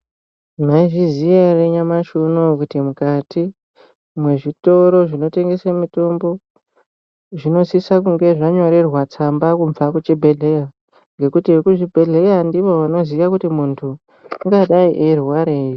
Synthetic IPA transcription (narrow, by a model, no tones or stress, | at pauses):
maiʐizijareɲamaʃunokutimukati | mwe̞ʐito̞ɾo̞ʐino̞te̞ŋɡe̞samito̞mbo̞ | ʐino̞sisakuŋɡe̞ʐaɲo̞ɾe̞rwat͡sambakuɱvakut͡ʃibʱeɮeja | ŋɡe̞kutikuʐibʱe̞ɮe̞jandiʋo̞ʋano̞ziʋakutimuntʰu | ŋɡaɗaiʔeruwaɾeːji